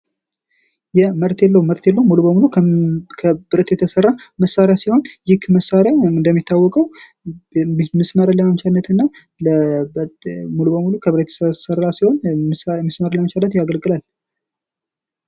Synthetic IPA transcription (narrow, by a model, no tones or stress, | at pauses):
jɛməɾt̪ʰelːəwməɾt̪ʰjelːəwmulubəmulukʰəbɨɾət̪jɛt̪ʰəsərːaməsːaɾjasiho̞njɪkməsːaɾjaɨnd̪əmːit̪ʰːawːɔkʼəw | mɨsməɾələamt͡ʃalːət̪ɨnːa | ləbmulubəmulukʰəbɨɾət̪sərːasiho̞nməsməɾləamt͡ʃalːət̪jaɡəlɡɨlal